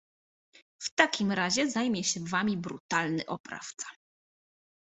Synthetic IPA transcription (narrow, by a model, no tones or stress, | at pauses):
ft̪akʲimɾaʑɛzajmʲjɛɕɛvamʲibɾṵt̪alnɘ̰ʔɔpɾa̰ft̪sḁ